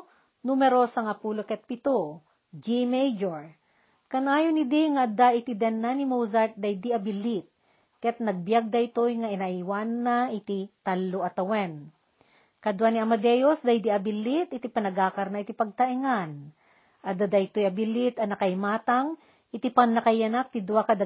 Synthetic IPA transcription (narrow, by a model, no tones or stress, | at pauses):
numɛɾosɐŋapuːlokɛt̪̚pɪt̪o | d͡ʒimɛjd͡ʒoɹ | kɐnaːjonɪd̪iŋaʔɐd̪aʔɪt̪id̪ɛnːanimowzaɹt̪̚d̪ɐjd̪iʔɐbɪlit̪̚ | kɛt̪̚nɐɡ̚bjaɡ̚d̪ɐɪt̪ojŋɐʔɪnaʔiwanːaʔɪt̪it̪alːoʔɐt̪ɐwɛn | kɐd̪ʊwaniʔɐmɐd̪ɛjosd̪ajd̪iɐbɪlit̪ʔɪt̪ipɐnɐɡaːkɐɾnɐʔɪt̪ipɐɡ̚t̪ɐʔiŋan | ʔɐd̪ad̪ɐɪt̪ojɐbɪlit̪ɐnɐkɐɪmaːt̪aŋ | ʔɪt̪ipɐŋnɐkɐjɐnak̚t̪ɪd̪ʊwakɐd̪a